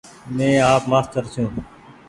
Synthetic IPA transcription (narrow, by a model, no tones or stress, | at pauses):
mẽːaːpmaːst̪əɾsʰũː